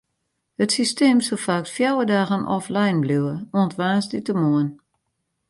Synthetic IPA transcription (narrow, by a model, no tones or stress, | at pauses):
hətsisteːmsolfaktfjawədaːɣənʔɔ̰flɛjnbluwəoəntʋaːsditəmoən